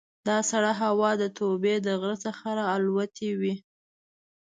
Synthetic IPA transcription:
d̪ɑsaɽaɦawɑd̪ət̪ʰobed̪əɣɾət͡səxaɾɑːlwat̪ʰewi

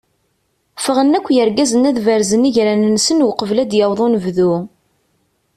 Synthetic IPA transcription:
fəʁənːækʷːjəɾɡæzənæðvəɾzəniʝɾænnːsənwqəvlæd̪jɑwðˤunəvðu

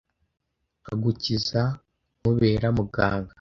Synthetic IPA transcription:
aɡuciza | muβeːɾamuɡaːŋɡa

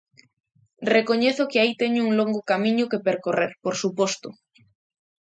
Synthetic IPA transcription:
rekoɲeθʊkeait̪eɲʊuŋloŋɡokamĩɲʊkepeɾkoreɾpoɾsupɔst̪ʊ

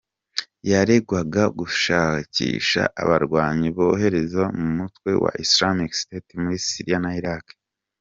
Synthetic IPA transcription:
jaɾe̞ɡwaɡaɡuʃaːcḭːʃa̰ʔa̰βaɾɡwaːɲiβoɦe̞ɾe̞zamumutwe̞̰wa̰ʔislamiksi̥tetimuɾisiɾijanaiɾak

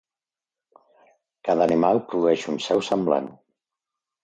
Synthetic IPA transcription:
kaðəːnimalˠpɾuðuɛʃunsɛwsəmbla̰n

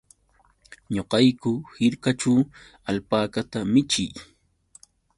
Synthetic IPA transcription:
ɲoqɑjkʊhɪɾkat͡ʃaw | alpaːkat̪amɪt͡ʃɪ̰j

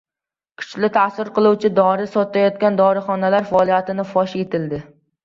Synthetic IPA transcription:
kʰʊ̥t͡ʃlɪt̪ʰasɪɾqʰɨlˠuwt͡ʃʰɪd̪ɒɾɪsɒt̪ajɒt̪kʲand̪ɒɾɪχɒnalaɾfaːlˠijat̪ʰɪnɪfɒʃe̞t̪ʰɪld̪ɪ

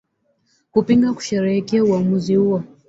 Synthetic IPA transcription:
kupiŋɡaku̥ʃɛɾɛɛkiauamuzihuwɔ

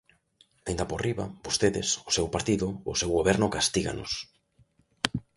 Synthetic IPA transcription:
aind̪aporiβa̰bost̪eðɪsosewpaɾt̪iðʊosewɣoβɛɾnʊkast̪iɣa̰no̰s

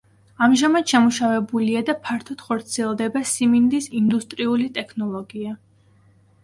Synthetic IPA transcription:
amʒamad̪̥ʃɛmuʃavɛbuliad̪apʰaɾt̪ʰɔd̪̥χɔɾt̪sʰiɛlˠd̪ɛbasimind̪isind̪ust̪ʼɾiulit̪ʼɛkʰnɔlˠɔɡia

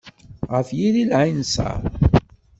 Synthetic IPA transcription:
ʁəfjililʕinsa̰ɾ

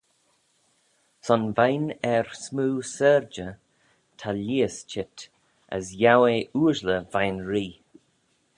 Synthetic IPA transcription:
sɔnvajnɛɹsmuːsɛːɹd͡ʒə | tʰaliːəst͡ʃɪt | ə̰sjaweʔuːʒləvajnɹiː

